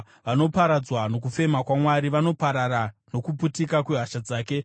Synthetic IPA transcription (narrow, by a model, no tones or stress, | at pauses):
ʋano̞paɾad͡zwano̞k̬ufe̞makwamwaɾiʋano̞paɾaɾano̞kuputikakweɦaʃad͡zaːke